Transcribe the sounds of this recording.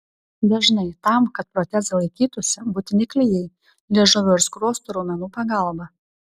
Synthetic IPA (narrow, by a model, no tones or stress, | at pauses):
d̪ʲɐʒnɐɪt̪ɐmkɐt̪̚pɾɔt̪ʲɛszɐlˠɐɪkʲiːt̪ʊsʲɛbʊt̪ʲɪnʲɪklʲɪjɛɪ | lʲɛʒʊʋʲoɪɾskɾoːst̪ʊɾoːmʲɛnuːpɐɡɐˑlˠbɐ